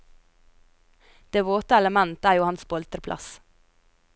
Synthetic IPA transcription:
d̪̥eːʋoːt̪əɛləmɛnt̪əæːjuːhɑnsbɔɛlt̪əɾpʰlʔɑ̰s

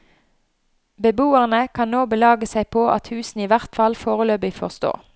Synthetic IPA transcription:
bəbuːəʁnəkʰɑnnoːbəlɑːɡəsæɪpʰoːʔɑ̰t̪hʉːsn̩iːʋæʁt̪fɑlfoːʁəløːbɪfɔʁst̪o̰ː

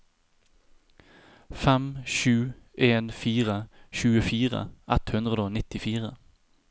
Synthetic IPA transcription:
fɛmʃʉː | ʔeːnfiːʁəʃʉːəfiːʁə̰ʔɛt̪hʉnd̪ʁəd̪əoːnɪt̪ɪfiːʁə

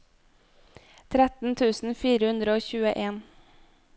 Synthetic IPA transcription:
t̪ʰɾɛt̪n̩t̪ʰʉːsn̩fiːɾəhʉnd̪ɾəoːçʉːəʔeːn

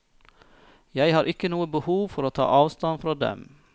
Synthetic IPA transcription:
jæɪhɑːɾʔɪkənuːəbəhuːʋfɔɾoːt̪ʰɑ̰ːʔɑːʋst̪ɑnfɾɑːd̪ɛ̰m

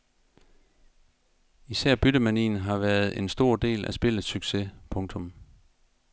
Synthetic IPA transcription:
isæɐ̰b̥yɾəmænḭːn̩ɦɑ̈ʋæːɐð̞̩ˠe̝nsd̥o̝ɐ̰d̥e̝̰ːlæsb̥e̝ləð̩ˠsyɡ̥sepʰɔ̽ŋt͡sʰɔ̽m

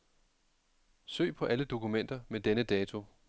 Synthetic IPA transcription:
sø̰ːpʰɒ̽ʔæləd̥o̝kʰumen̰d̥ɐmed̥enəd̥ɛːt͡sʰo̝

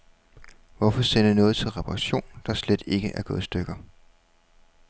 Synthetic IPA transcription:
ʋɒfɒ̽sen̰ənɔ̽ːð̞̩ˠt͡sʰe̝lʁɛpʰɑʁɑɕo̝̰ːnd̥ɑ̈sled̥e̝ɡ̥əʔæɐɡ̥ɔ̽ːð̞̩ˠsd̥øɡ̥ɐ

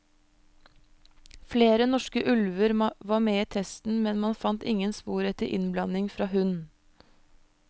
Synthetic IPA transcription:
fleːɾənɔʃkəʔʉlʋəɾʋɑːmeːiːt̪ʰɛst̪n̩mɛnmɑnfɑnt̪ɪŋənspuːɾɛt̪əʔɪ̰nblɑnɪŋfɾɑːhʉn

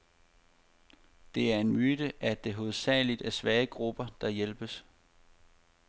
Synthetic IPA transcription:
d̥e̝æɐe̝nmyd̥əʔæd̥e̝ɦo̝ð̞̩ˠsɛ̰ːlid̥æɐsʋɛːəɡ̥ʁub̥ɐd̥ɑ̈jelb̥əs

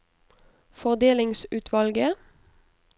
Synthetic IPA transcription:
fɔʁd̪eːlɪŋsʉːt̪ʰʋɑlɡə

